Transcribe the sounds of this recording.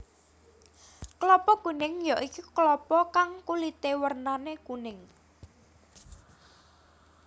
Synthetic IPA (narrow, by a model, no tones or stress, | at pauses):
klɔpɔɡ̥unɪŋjɔʔikiklɔpɔkaŋkulit̪ewərnaneɡ̥unɪŋ